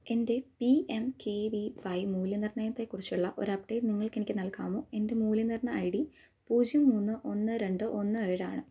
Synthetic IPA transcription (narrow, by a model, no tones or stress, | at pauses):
e̞nde̞piemkʰeːʋiʋɐjmuːljɐnirɳɐjɐt̪ːekːurit͡ɕːuɭːɐʔoɾɐp̚ʈejlniŋːɐɭke̞nikʲːɨnɐlkaːmoːe̞nde̞muːljinirɳɐɐjɽi | puːd͡ʑjumːuːnːɨʔo̞nːɨɾe̞ɳɖɨʔo̞nːɨɐjɽa̰ːɳɨ